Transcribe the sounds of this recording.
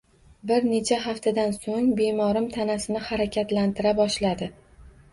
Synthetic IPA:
bɪɾne̞t͡ʃʰaɦaft̪ʰad̪ansoŋbemɒɾɪmt̪ʰanasɪnɪhaɾakʲʰat̪lant̪ɪɾabɒʃlad̪ɪ

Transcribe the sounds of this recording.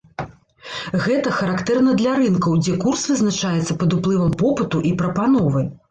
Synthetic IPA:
ɣɛt̪ɐxɐɾakt̪ɛrn̪ɐd̪lʲaɾɨnkɐwd͡zʲɛkursvɨznat͡ʂajɛt̪sːɐpɐd̪uplˠɨvɐmpɔpɨt̪uʔipɾɐpanɔvɨ

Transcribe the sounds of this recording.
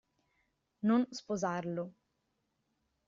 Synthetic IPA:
nonspozarlo

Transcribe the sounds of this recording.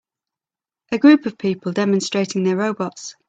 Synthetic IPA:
ʔəɡɹʉˑpʰəv̥pʰiˑpʰəlˠdɛmə̃nstɹ̥eɪtʰɪ̃ŋðəɹəʊbɒts

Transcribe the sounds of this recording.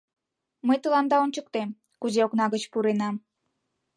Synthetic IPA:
məjt̪əlɑnd̪ɑonʲt͡ɕək̚t̪em | kuzeoknɑɣət͡ɕpuɾenɑm

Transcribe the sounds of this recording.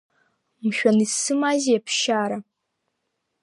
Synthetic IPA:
mʃᶣʷanisɨmazijapʰʃaːɾa

